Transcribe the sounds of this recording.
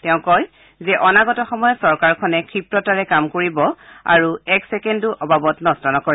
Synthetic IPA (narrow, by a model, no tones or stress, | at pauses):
tɛʊ̃kɔj | zɛʔɔnaɡɔtɔxɔmɔjɔsɔɹkaɹkʰɔnɛkʰɹipɹɔtaɹɛkamkoɹibɔa̰ɹuɛksɛkɛnduʔɔbabɔtnɔstɔnɔkoɹi